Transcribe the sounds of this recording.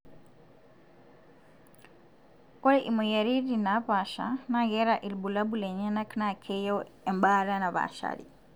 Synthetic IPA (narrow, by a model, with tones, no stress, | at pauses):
kɔ˦ɾɛ˦ʔi˨mu˨ja˨ɾi˦dina˦pa˨ʃa̰na˦ɣɛɾaʔi˨lbu˨la˦bulɛ˨ɲɛ˦na˦kna˨kʰɛjo˦ɛ˨mbaɾa˦na˨βa̰ʃa̰ɾḭ